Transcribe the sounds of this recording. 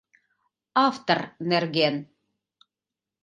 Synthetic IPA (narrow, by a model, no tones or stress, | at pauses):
ɑft̪ornerɡen